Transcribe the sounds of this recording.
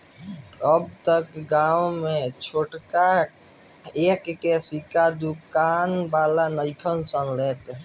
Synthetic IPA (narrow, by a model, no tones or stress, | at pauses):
əb̚t̪əkɡawmet͡ʃʰoʈka | ekːesikad̪ukanbalanəjkʰənsənlet̪